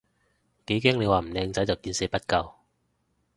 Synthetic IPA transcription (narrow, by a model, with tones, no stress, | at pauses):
ke˨˥jkɛː˥ŋe˨˧jwaː˨m̩˨˩lɛː˧ŋt͡sɐ˨˥jt͡sɐ˨wkiː˧nse˨˥pɐ˥t̚kɐ˧w